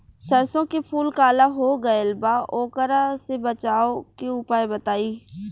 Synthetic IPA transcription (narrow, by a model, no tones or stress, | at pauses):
sɐɾsõkepʰuːlkaːlaɦoɡɐelbaːʔoːkəɾasebət͡ʃaːokeʊpaːebɐt̪aːiː